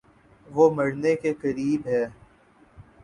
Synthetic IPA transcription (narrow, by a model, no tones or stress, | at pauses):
ʋomɐɽnekekɐɾiːbɦɛː